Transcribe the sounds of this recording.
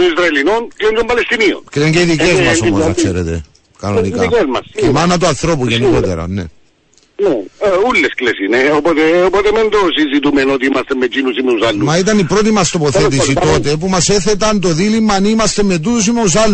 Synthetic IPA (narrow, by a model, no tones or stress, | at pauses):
t̪oizɾɐelinonkleɲd͡ʒombɐlest̪inio̰nkleɲɟeiðicezmɐsomosɐ̰kseɾḛt̪e̞̰ | kɐnonikɐikezmɐsemanɐt̪̬uɐnθɾo̞p̬uʝenikot̪ḛɾɐ̰nḛ | neulːesklesineopot̪eopot̪emend̪osizit̪̬umenot̪iimɐst̪emːed͡ʒinusimeusalːumɐit̪ɐnipɾo̞t̪̬imɐst̪opoθet̪̬is̬it̪o̞t̪e̞p̬umɐseθet̪ɐnt̪o̞ðilimːɐnimɐst̪e̞mːe̞t̪us̬imeus̬alː